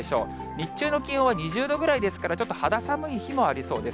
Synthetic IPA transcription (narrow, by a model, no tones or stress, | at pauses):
eɕo̞̰ː | ɲ̟iɕɨːno̞kʲĩɰ̃õβaɲ̟iʑɨːd̪o̞ɡɯ̟ɾaid̪e̞sɨ̥kaɾat͡ɕo̞t̪ːo̞had̪asamɯ̟içimo̞aɾʲiso̞ːd̪e̞s